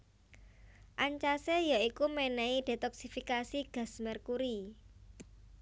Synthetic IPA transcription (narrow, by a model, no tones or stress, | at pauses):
ʔaɲt͡ʃasejaikumɛnɛid̥e̤t̪ɔksifikasiɡ̥a̤smɛrkuɾi